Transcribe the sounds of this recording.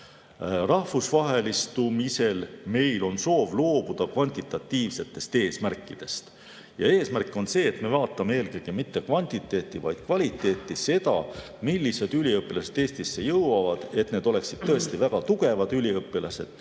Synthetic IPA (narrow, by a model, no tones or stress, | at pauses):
rɑhvusvɑɦe̞list̪umise̞lme̞jlo̞nso̞ːvlo̞ːb̥ud̪̥ɑkvɑnʲt̪ʲˑit̪ːˑɑt̪ːiːvse̞t̪ːˑe̞st̪e̞ːsmærkːˑid̪̥e̞st̪ | jɑ̰e̞ːsmærkːˑo̞nse̞ːt̪me̞vɑːt̪ːˑɑmee̞ːlɡeɡ̥imit̪ːe̞kvɑnʲt̪it̪ːˑe̞ːt̪ːˑivɑ̰jd̪̥kvɑlʲit̪ˑːe̞ːt̪ːˑise̞d̪ɑ̰ | milʲːise̞d̪̥ylʲiɤpːˑilɑse̞d̪̥e̞ːst̪isːe̞jɤwwɑvɑd̪̥e̞t̪ne̞d̪o̞le̞ksid̥̪̚t̪ːɤ̞e̞st̪ivæɡ̥ɑt̪uɡ̥e̞vɑd̪̥ylʲiɤpːˑilɑse̞̰d̪̥